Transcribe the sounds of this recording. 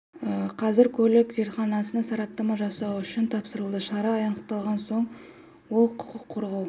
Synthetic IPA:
əqʰɑzɪɾkʲʰɵlɪkze̞ɾt̪χɑnɑsənɑsɑɾɑp̚t̪ɑmɑʒɑsɑwʏʃɪnt̪ʰɑpsəɾəlˠd̪əʃɑɾɑːjɑɴəqt̪ɑlˠʁɑnso̞ɴ | wo̞lˠqʰʊ̥qəqʰːoɾʁɑw

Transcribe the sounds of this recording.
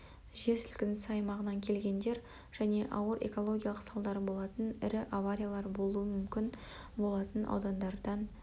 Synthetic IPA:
ʒe̞sɪlkʲɪnɪsɑjmɑʁənɑŋkʲʰe̞lɡʲe̞nd̪e̞ɾ | ʒ̥æne̞ʔɑwəɾʔe̞̰ko̞lˠo̞ɡʲijalˠəqsɑlˠd̪ɑɾbo̞lˠɑt̪ənɪɾɪʔavaɾʲijalˠɑɾbo̞lˠuəmʏmkʲɪn | bo̞lˠɑt̪ənʔɑ̰wd̪ɑnd̪ɑɾd̪ɑn

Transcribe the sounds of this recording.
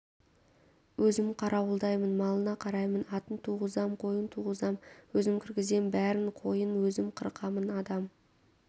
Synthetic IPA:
wʔɵzɪmqʰɑɾɑwəlˠd̪ɑjmənmɑlˠənɑqʰɑɾɑjmənɑt̪ənt̪ʰuʁəzɑmqʰo̞jənt̪ʰuʁəzɑmwɵzɪmkʲʰɪɾɡʲɪze̞nbæɾɪɴqʰo̞jənwɵzɪmqʰəɾqɑmənɑd̪ɑm

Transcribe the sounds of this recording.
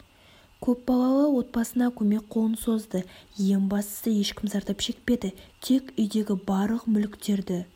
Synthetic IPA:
kʲʰɵp̚bɑlˠɑlˠəwo̞t̪̚bɑsənɑkʲʰɵme̞k̚qʰo̞lˠənso̞zd̪əje̞mbɑst̪ə̥səje̞ʃkʲɪmzɑɾt̪ɑpʃe̞k̚pe̞d̪ɪt̪ʰe̞kʲʏjd̪e̞ɡʲɪbɑɾlˠəqmʏlkt̪e̞ɾd̪ɪ

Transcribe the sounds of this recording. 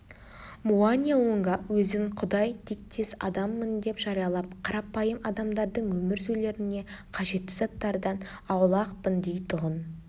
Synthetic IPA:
muanʲieluŋɡɑwɵzɪŋqʰʊd̪ɑjt̪ʰek̚t̪ʰe̞sɑ̰d̪ɑmːənd̪e̞pʒɑɾijɑlˠɑp̚qʰɑɾɑpɑjəmɑd̪ɑmd̪ɑɾd̪əɴwɵmɪɾzɵjle̞ɾɪne̞qʰɑʒe̞t̪ːɪzɑt̪ːɑɾd̪ɑnɑwlˠɑqpənd̪ejt̪ʰʊʁən

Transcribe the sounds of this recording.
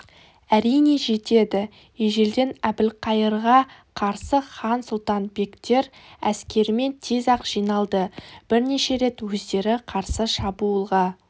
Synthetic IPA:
æɾijne̞ʒe̞t̪e̞d̪ɪ | jeʒe̞ld̪e̞næbɪlqʰɑjəɾʁɑqʰɑɾsəχɑnsʊlˠt̪ɑnbe̞kt̪e̞ɾæskʲe̞ɾɪme̞nt̪ʰe̞zɑqʒ̥ijnɑlˠd̪əb̥ɪɾne̞ʃe̞ɾe̞t̪wɵzd̪e̞ɾɪqʰɑɾsəʃɑbuəlˠʁɑ

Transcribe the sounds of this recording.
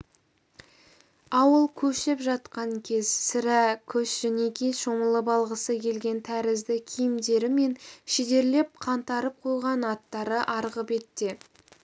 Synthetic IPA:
ɑwəlˠkʲʰɵʃɪpʒɑt̪qɑŋkʲʰe̞zsɪɾækʲʰɵsʒænekʲijʃo̞məlˠəbɑlˠʁəsəkʲʰe̞lɡʲe̞nt̪ʰæɾɪzd̪ɪkʲʰijɪmd̪e̞ɾɪme̞nʃed̪e̞ɾle̞p̚qʰɑnt̪ɑɾəp̚qʰo̞jʁɑnɑt̪ːɑɾəʔɑɾʁəpe̞t̪ːe̞

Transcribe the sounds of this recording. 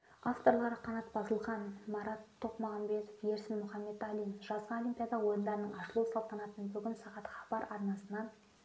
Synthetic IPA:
ɑft̪o̞ɾlˠɑɾəqʰɑnɑt̪bɑzəlˠʁɑnmɑɾɑt̪ʰːo̞qmɑʁɑmbe̞t̪ofjeɾsɪnmʊχɑmːe̞t̪ɑlˠinfʒ̥ɑzʁɑolijmʲpʲijɑd̪ɑwo̞jənd̪ɑɾənəɴɑʃəlˠusɑlˠt̪ɑnɑt̪ənbɵɡʲɪnsɑʁɑt̪χɑ̥bɑɾɑɾnɑsənɑn

